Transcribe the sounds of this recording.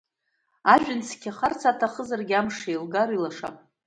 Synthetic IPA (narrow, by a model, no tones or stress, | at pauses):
aʒᶣɪnt͡sʰkʲaχart͡sʰatʰaχəzarɡʲamʂejlɡaɾilaʂa̰pʼ